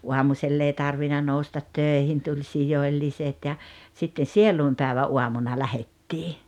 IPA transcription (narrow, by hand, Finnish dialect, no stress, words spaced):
uɑmuselː ei tɑrʋinɑ noustɑt tøˑihin tulʲ sijoĭlːiset jɑ sitːe sieluˑimpæˑeʋæʔ ʔuɑmunɑ læhetːiː